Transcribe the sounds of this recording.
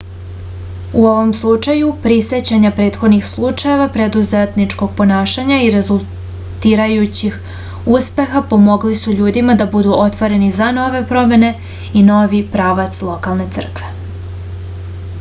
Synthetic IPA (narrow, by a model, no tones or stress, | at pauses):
uoʋo̞mslˠut͡ʂajupɾise̞t͡ɕaɲapɾe̞ːt̪xo̞d̪nixslˠut͡ʂaje̞ʋapɾe̞d̪uze̞t̪nit͡ʂko̞ɡ̚po̞naːʃaɲaiɾe̞zulˠ | t̪iːɾajut͡ɕix | uspe̞xapo̞mo̞ɡlisuʎuːd̪imad̪abud̪uʔo̞t̪ʋo̞ɾe̞nizano̞ʋe̞pɾo̞me̞ne̞ | ino̞ʋipɾaːʋat̪slˠo̞kalˠne̞t̪ɨr̩kʋe̞